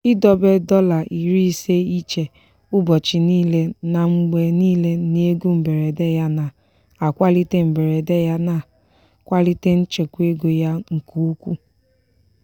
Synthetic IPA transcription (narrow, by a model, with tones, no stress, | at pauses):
i˦dɔ˦be˦dɔ˦la˨ʔi˨ɾi˦i˦se˦i˦t͡ʃe˨ | ʊ˦bɔ˨t͡ʃi˨niː˦le˦na˨ŋ͡m̩˦ɡ͡be˨niː˦le˦ne˦ɡu˦m̩˨be˨ɾe˨de˦ja˦na˨ | a˨kʷa˦li˦te˦m̩˨be˨ɾe˨de˦ja˦na˨ | kʷa˦li˦te˦n̩˦t͡ʃe˨kʷe˦ɡʷe˨ja˦ŋ̩˨kʰu˦u˦kʷu˦